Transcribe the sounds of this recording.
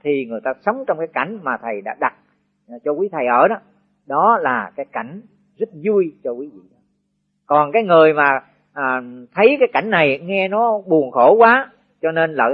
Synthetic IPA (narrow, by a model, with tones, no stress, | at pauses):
t̪ʰi˨˩ŋɨ˨˩əjt̪aː˧sə˨˦wŋ͡mt͡ɕɔ˧wŋ͡mkaː˨˦jka˧˩jŋ̟maː˨˩t̪ʰə˨˩jɗa̰ː˧˥ɗa˨˩t̚ː | t͡ɕɔ˧kwi˨˦t̪ʰə˨˩jʔəː˧˩nɔ˨˦ | ɗɔ˨˦laː˨˩kaː˨˦jka˧˩jŋ̟ | zə˦˥t̚zu˧jt͡ɕɔ˧kwi˨˦vḭ˧˨ɗɔ˨˦ | kɔ˨˩nkaː˨˦jŋɨ˨˩əjmaː˨˩ | ʔːt̪ʰə˨˦jkaː˨˦jka˧˩jŋ̟na˨˩jŋɛ˧nɔ˨˦ɓu˨˩ənxo˧˩kwaː˨˦ | t͡ɕɔ˧ne˧nlə̰ː˧˨